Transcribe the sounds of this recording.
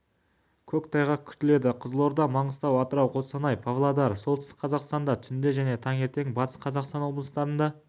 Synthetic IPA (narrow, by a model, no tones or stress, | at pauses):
kʲʰɵkʲt̪ʰɑjʁɑkʲʰʏ̥t̪ɪle̞d̪ɪqʰəzəlˠo̞ɾd̪ɑmɑɴəzt̪ɑwɑt̪əɾɑwqʰo̞sɑnɑjpʰɑvlˠad̪ɑɾsolt̪ɪst̪ɪ̥kqʰɑzɑqst̪ɑnd̪ɑt̪ʰʏsɪnd̪e̞ʒæne̞t̪ʰɑŋe̞ɾt̪e̞ŋbɑt̪ə̥sqʰɑzɑqst̪ɑnwo̞blˠəst̪ɑɾənd̪ɑ